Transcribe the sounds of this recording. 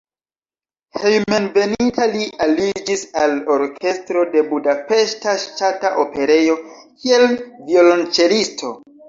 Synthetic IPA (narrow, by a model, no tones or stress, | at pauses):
hejme̞nve̞nitʰaliʔalid͡ʒisalo̞ɾkʰe̞stɾo̞de̞budape̞ʃtaʃtataʔope̞ɾe̞jo̞ | kʰie̞lvio̞lont͡ʃe̞listʰo̞